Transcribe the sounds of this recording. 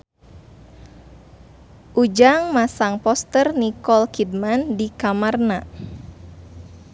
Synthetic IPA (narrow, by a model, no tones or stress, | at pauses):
ʔud͡ʒaŋmasaŋpɔst̪ərnikɔlkidmandikamarna